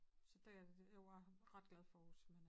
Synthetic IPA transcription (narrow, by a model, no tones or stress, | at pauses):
sɒ̽d̥æjaæʁɑ̈d̥ɡ̥lɛðˠfɒɔsmen